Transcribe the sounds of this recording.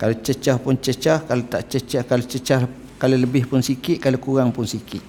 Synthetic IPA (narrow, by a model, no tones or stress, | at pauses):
kalot͡ʃət͡ʃahpʊnt͡ʃət͡ʃahkalot̪aʔt͡ʃət͡ʃahkalot͡ʃət͡ʃah | kaloləbɪhpʊnsikɪt̪̚kalokuɾaŋpʊnsikɪt̪̚